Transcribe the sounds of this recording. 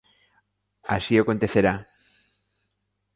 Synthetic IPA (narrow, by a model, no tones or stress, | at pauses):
a̰siokont̪eθeɾa